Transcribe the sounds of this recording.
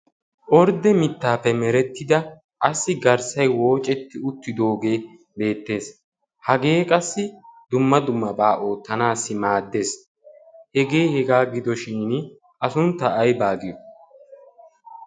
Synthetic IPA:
ʔɔɾd̪ɛmɪt̪ːaːpːɛmɛɾɛt̪ːɪd̪ɐ | ʔɐsːɪɡɐɾsɐjwo̞ːt͡ʃʼɛt̪ːɪʊt̪ːɪd̪o̞ːɡe̞ː | be̞ːt̪ːe̞ːs | hɐɡe̞ːkʼɐsːɪd̪ʊmːɐd̪ʊmːɐbaːʔo̞ːt̪ːɐnaːsːɪmaːd̪ːe̞ːs | hɛɡe̞ːhɛɡaːɡɪd̪ɔʃiːn | ʔɐsʊnt̪ːɐːjbaːɡɪjɔ

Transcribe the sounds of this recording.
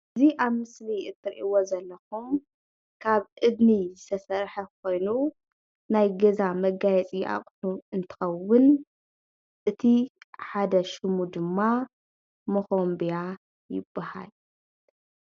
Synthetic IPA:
ʔɨziʔaβmɨsliʔɨt̪ʰːɨɾʔiwozɐlːɐxum | kʰaβʔɨd̪nizɨsʰɐsɐɾħɐkʰo̞jnu | najɡɐzamɐɡajɛt͡sʼijʔa̰χʼħuɨnt̪ʰɨ̥xɐwːʊn | ʔɨt̪ʰiħad̪ɐʃɨmud̪ɨmːa | moxombija | jɪ̰bːaha̰l

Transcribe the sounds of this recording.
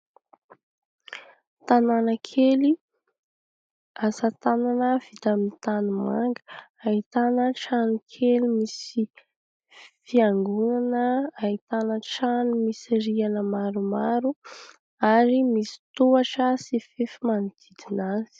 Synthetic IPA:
t̪ananəkʰeli | asat̪ananəv̥it̪amint̪anuma̰ŋɡə̥ait̪anəʈ͡ʂanikʰelimisi | fiaŋɡunanəait̪anəʈ͡ʂanumisiɾianəmaɾumaɾu | aɾimisi̥t̪uaʈ͡ʂəsifefimanid̪̥id̪inaz̥i̥

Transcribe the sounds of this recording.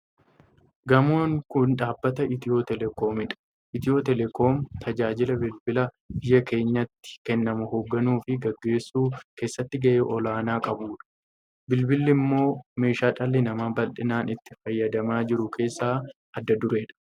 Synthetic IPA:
ɡɐmo̞ːŋkʊnᶑaːbːɐt̪ɐɪt̪ɪo̞ːt̪ɛlɛko̞ːmɪᶑɐ̥ | ʔɪt̪ɪjoːt̪ɛlɛkʰo̞ːmt̪ʰɐd͡ʒaːd͡ʒɪlɐbɪlbɪlɐ | bɪjːɐke̞ːɲːɐt̪ːɪ̥kɛnːɐmʊhoːɡːɐnuːfɪɡɐɡːe̞ːsːuːke̞ːsːɐt̪ːɪɡɐʔeːʔɔlaːnaːkʼɐbuːᶑɐ̥ | bɪlbɪlːɪmːo̞ːme̞ːʃaːᶑɐlːɪnɐmaːbɐlᶑɪnaːnɪt̪ːɪfɐjːɐd̪ɐmaːd͡ʒɪɾʊkʰe̞ːsːaː | ɐd̪ːɐd̪ʊɾe̞ːᶑɐ̥

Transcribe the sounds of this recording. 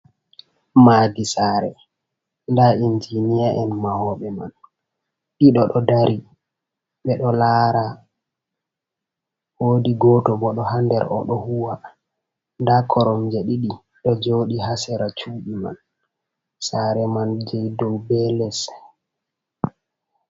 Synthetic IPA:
maɡisaːɾɛ | ndaind͡ʒinijaʔɛnmahɔɓɛma̰n | ɗiɗɔɗɔdaɾi | ɓɛɗɔlaɾa | woːdiɡɔtɔbɔɗɔhandɛ̰ɾʔɔ̰ɗɔhuwa | ndakʰɔɾɔmd͡ʒɛɗiɗi | ɗɔd͡ʒoɗihasɛɾat͡ʃuːɓima̰n | saɾɛmand͡ʒɛjdɔwbɛlɛs

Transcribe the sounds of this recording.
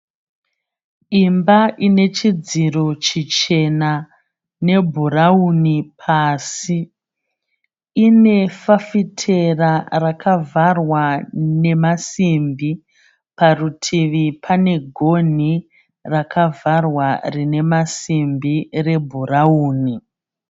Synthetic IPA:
imbaʔine̞t͡ʃid͡ziro̞t͡ʃit͡ʃe̞na | ne̞bʱuraunipʰaːsi | ne̞fafitʰe̞rarakʰavarwane̞masimbi | parutʰiʋipʰane̞ɡʱo̞n̤i | rakʰavarwarine̞masimbire̞bʱurauːni

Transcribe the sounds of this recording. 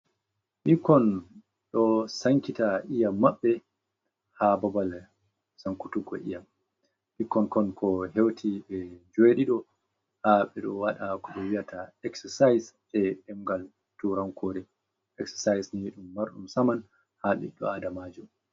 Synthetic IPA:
ɓikɔn | ɗɔsaŋkitaʔijamːaɓːɛ | hababal | saŋkutuɡɔ̰ʔḭjam | ɓikːɔnkɔnkʰɔhewtʰiɓɛd͡ʒoeɗiɗɔ | haɓɛɗɔwaɗakɔɓɔwijataɛksɛsajs | ɛɛmɡal | tuɾaŋkʰoːɾɛ | ɛksɛ̥sajsniɗumːaɾɗumsaman | haɓḭɗɔ̰adamad͡ʒum

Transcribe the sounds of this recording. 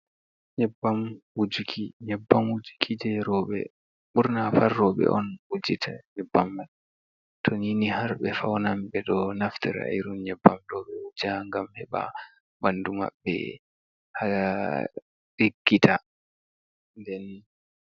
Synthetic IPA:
ɲɛbːamwud͡ʒukʰiɲɛbːamwud͡ʒu̥kʰid͡ʒɛɾɔɓɛ̰ | ɓuɾnafaɾːɔɓɛ̰ʔɔ̰nwud͡ʒitʰa̰ɲɛbːamːaɗ | tʰɔninihaɾɓɛfawnamɓɛɗɔnaftɛɾa̰iɾunɲɛbːamɗɔɓɛwud͡ʒaŋɡamhɛɓa̰ | banduma̰ɓːɛ̰ | hala | ɗiɡːitʰa | ndɛn

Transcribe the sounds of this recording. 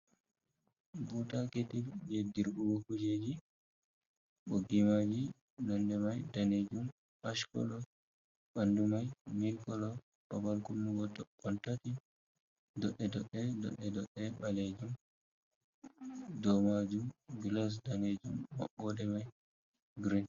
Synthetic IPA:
butaketiljediɾbuwokud͡ʒed͡ʒi | ɓoɡimad͡ʒi | nɔndɛmajdaned͡ʒum | aʃkɔ̰lɔ | ɓandumajmilkɔlɔ | ɓabalkunːuɡɔtɔɔntati | dɔɗːɛdɔɗːɛdɔ̰ɗɛdɔɗɛɓaled͡ʒum | dɔmad͡ʒumɡilɔs̬daned͡ʒumːa̰ɓːɔdɛmaj | ɡɾin

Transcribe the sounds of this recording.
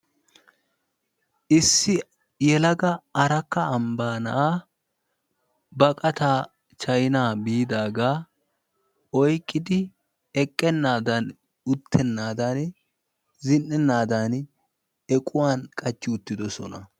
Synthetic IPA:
ʔɪsːɪ | jɛlɐɡɐɐɾɐkːɐːmbaːnɐʔaː | bɐkʼɐt̪aː | t͡ʃɐjnaːbiːd̪aːɡaː | ʔɔjkʼːɪd̪ɪ | ɛkʼːɛnːaːd̪ɐn | ʊt̪ʰːɛnːaːd̪ɐn | zɪnːɛnːaːd̪an | ɛkʼʊwaːnkʼɐt͡ʃːɪʊt̪ːɪd̪ɔsɔnɐ

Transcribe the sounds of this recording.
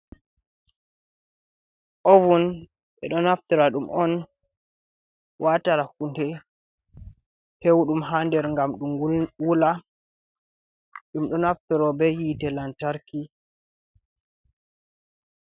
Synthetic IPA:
ʔovun | ɓɛ̰ɗɔnaftɔɾaɗumʔɔn | wataɾakundɛ | hewɗumɦandɛɾŋɡamɗumɡuwula | ɗumɗɔnaftɔɾɔbɛjitɛlantaɾki

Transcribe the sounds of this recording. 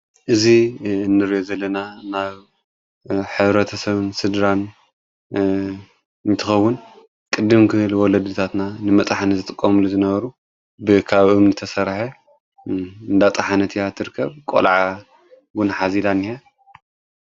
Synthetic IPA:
ʔɨzinːɨɾijozɐlːɐnanaβ | ħɨβɾɐt̪ʰɐsɐβɨnsɨd̪ɾan | nt̪ʰɨxɐwːʊn | kʼɨd̪ːɨmkʰɨɨlwɔlɐd̪ːɨt̪ʰat̪nanɨmɐt̪ʼɐħanɨzɨt̪ʼɨkʼːɐmuluzɨnɐβɐɾu | bɨkʰaβʔɨmnɨt̪ʰɐsɐɾħɐ | ɨnd̪at̪ʼɐħanɐt̪ʰijat̪ʰːɨɾɨkʰːɐβkʼo̰lʕa | ɡunaħazid̪anːia

